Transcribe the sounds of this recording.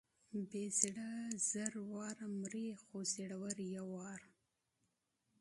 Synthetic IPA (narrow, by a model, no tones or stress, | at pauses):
beziɽazaɾwɑːɾamɾexoziɽawaɾjawɑːɾ